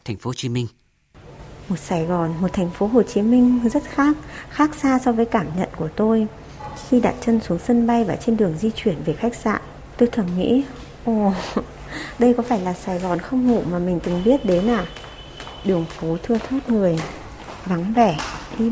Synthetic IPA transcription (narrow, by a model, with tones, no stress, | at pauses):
t̪ʰɛ˨˩jŋ̟fo˨˦˨t͡ɕi˨˦mï˧ŋ̟ | mo˨˩t̚saː˧˩jɣɔ˨˩nmo˨˩t̚t̪ʰɛ˨˩jŋ̟fo˨˦ɦo˨˩t͡ɕi˨˦mï˧ŋ̟zə˦˥t̚xaː˦˥k̚xaː˦˥k̚saː˧sɔ˧vəː˨˦jkaː˧˩mɲə̰˧˨nku˧˩ət̪o˧j | xi˧ɗa̰ː˨˩t̚t͡ɕə˧nsu˨˦əŋsə˧nɓa˧jvaː˨˩t͡ɕe˧nɗɨ˨˩əŋzi˧t͡ɕwi˧˩ənve˨˩xa˦˥k̟̚sa̰ː˧˨ʔ | t̪o˧jt̪ʰə˨˩mŋḭ˧˥ | ʔo˧˩ | ɗə˧jkɔ˨˦faː˧˩jlaː˨˩saː˧˩jɣɔ˨˩nxə˧wŋ͡mhṵ˧˩maː˨˩mï˨˩ŋ̟t̪ɨ˨˩ŋɓi˦˥ət̚ɗe˨˦nːaː˨˩ | ɗɨ˨˩əŋfo˨˦t̪ʰɨ˧ət̪ʰaː˦˥t̚ŋɨ˨˩əj | va˨˦ŋvɛ˧˩ɗi˧